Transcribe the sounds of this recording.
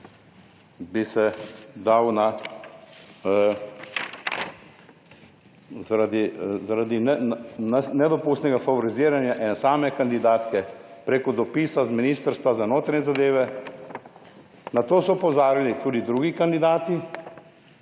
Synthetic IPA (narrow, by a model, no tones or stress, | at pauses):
bisɛd̪awna | zaɾad̪izaɾad̪inɛnnɛd̪ɔpust̪nɛɡafaʋɔɾiziːɾanjaʔɛnɛsaːmɛkand̪id̪aːt̪kɛpɾekɔd̪ɔpiːsazminiːst̪əɾst̪ʋazanoːt̪ɾaɲʲɛzad̪eːʋɛ | nat̪oːsɔupɔzaːɾilit̪uːd̪id̪ɾuːɡikand̪id̪aːt̪i